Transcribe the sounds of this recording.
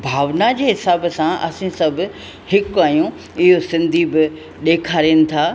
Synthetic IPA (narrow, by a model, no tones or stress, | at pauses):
bʱaːʋnad͡ʑeːɦɪsaːbsãʔɐ̰sĩsɐbʱʊ̆ | hɪkaːjũ | ɪɦosɪ̃nd̪ʱibɪ | ɗeːkʰaːɾinɪ̆t̪ʰaː